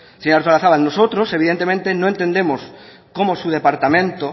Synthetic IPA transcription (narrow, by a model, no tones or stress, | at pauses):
seɲaɾt̪olaθaβalnosot̪ɾo̞se̞βiðent̪e̞mẽnt̪enoe̞nt̪e̞nd̪e̞mo̞s | ko̞mosuð̞e̞paɾt̪amẽnt̪o